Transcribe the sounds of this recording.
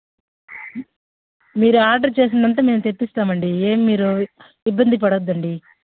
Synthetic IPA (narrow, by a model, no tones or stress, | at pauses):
miːɾuaːɾɖɐɾt͡ʃe̞ːs̬ind̪ɐnt̪̬aːme̞ːmut̪epːist̪aːmɐɳɖieːmimiːɾu | ibːɐnd̪ipɐɽod̪ːɐɳɖi